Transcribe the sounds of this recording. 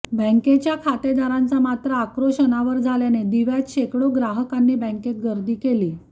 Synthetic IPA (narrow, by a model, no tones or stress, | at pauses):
bə̃ŋket͡ɕjakʰat̪ed̪aɾant͡samat̪ɾəːkɾoɕənaʋəɾd͡zʱaljaned̪iʋjat̪ɕekɽoɡɾaɦəkanːiːbə̃ŋket̪̚ɡəɾd̪iːkeliː